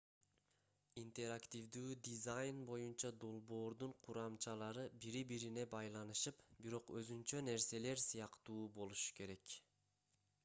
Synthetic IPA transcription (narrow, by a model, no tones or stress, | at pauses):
int̪e̞ɾakt̪ivd̪yːd̪izajnbo̞junt͡ʃɑd̪o̞lˠbo̞ːɾd̪uɴqʰuɾɑmt͡ʃɑlˠɑɾɯbiɾibiɾine̞bɑjlˠɑnɯʃɯpbiɾo̞qøzynt͡ʃøne̞ɾse̞le̞ɾsɯjɑqt̪uːbo̞lˠuʃu̥ke̞ɾe̞k